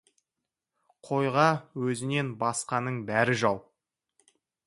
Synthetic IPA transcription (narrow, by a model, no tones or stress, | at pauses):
qʰo̞jʁɑwɵzɪne̞nbɑsqɑnəɴbæɾɪʒɑwˠ